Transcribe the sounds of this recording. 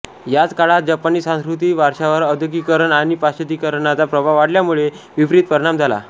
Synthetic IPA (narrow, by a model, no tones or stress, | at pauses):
jat͡skaɭat̪̚d͡ʑapaniːsãskɾut̪̬iːʋaɾʂaʋəɾəd̪ʱəkikəɾəɳaɽ̃ipast͡ɕʰət̪iːkəɾɳat͡sapɾəbʱaʋaɽljamuɭe | ʋibɾit̪̚pəɾɳ̃amd͡zʱala̰